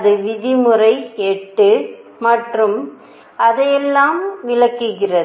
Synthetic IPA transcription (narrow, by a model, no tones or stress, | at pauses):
ðɯʋɪðɪmɯrɐɪɛʈːɯ | mɐʈrɯm | ʔɐðɐjɛlːaːmʋɪɭɐkːɯɣɪrɐð